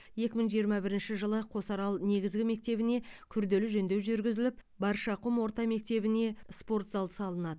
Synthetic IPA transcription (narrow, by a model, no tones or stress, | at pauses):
je̞kʲɪməŋʒijəɾmɑbɪɾɪnʃɪʒəlˠəqʰo̞sɑɾɑlˠne̞ɡʲɪzɡʲɪme̞k̚t̪e̞βɪne̞kʲʰʏɾd̪e̞lɪʒɵnd̪e̞wʒʏɾɡʲɪzɪlɪp̚ | bɑɾʃɑqʊmwo̞ɾt̪ɑme̞k̚t̪e̞βɪne̞spo̞rt̪zɑlˠd̪əsɑlˠənɑd̪əə